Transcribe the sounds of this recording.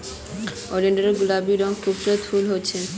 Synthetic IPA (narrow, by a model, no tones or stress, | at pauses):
ɔɾeɳɖoɾeɾɡulabiɾɔŋkʰubt̪ɾot̪fulɦoːt͡ɕʰe